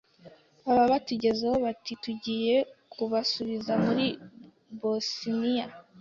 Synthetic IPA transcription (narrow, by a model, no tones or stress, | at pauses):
aβaβatuɟe̞zehoβatituɟiːje̞kʰuβasuβizamuɾi | bosinija